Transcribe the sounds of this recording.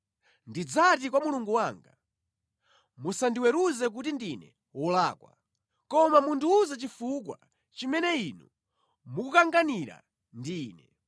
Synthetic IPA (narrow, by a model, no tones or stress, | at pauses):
ndid͡zatik̬wamuluŋɡuwaːŋɡa | musandiwɛɾuzɛk̬utindinɛ̰ | wɔlaːkwa̰ | kɔmamunduːzat͡ʃifuk̬wa̰ | t͡ʃimɛnɛinu | mukukaŋɡaniɾa̰ | ndiːnɛ